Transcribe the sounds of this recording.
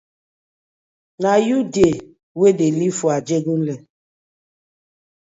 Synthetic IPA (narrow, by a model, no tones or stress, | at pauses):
najude | wedelifuad͡ʒeɡun̩lɛ